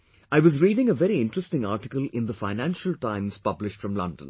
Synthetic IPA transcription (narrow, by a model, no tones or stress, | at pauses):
aɪʋʌzɹiːɖɪ̃ŋəʋɛɾiɪ̃nʈɹɛstɪ̃ŋaːʈɪkəlɪ̃nd̪əfaɪnæ̃nʃəlʈãɪ̃mz̥pʌblɪʃʈfɹʌ̃mlʌ̰̃ndə̰̃n